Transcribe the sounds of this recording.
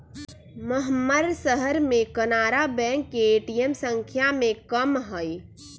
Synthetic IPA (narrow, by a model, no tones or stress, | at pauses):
məɦmːəɾsəɦəɾmẽkənaːɾabɛ̃ːŋkːeeːʈijemsə̃ŋkʰjamẽkəmɦəj